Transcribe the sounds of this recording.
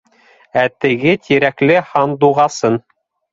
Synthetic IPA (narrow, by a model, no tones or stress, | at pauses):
æt̪ɘ̆ɡɘt̪ʲʰiɾæklɘhɑnd̪uʁɑsɤn